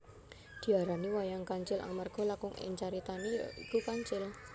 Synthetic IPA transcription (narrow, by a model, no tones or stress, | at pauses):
d̪̥i̤aɾaniwajaŋkaɲt͡ʃɪlʔa̰ŋmarɡ̥ɔ̤lakʊŋɪ̰ɲt͡ʃaɾit̪aniḭkukaɲt͡ʃɪl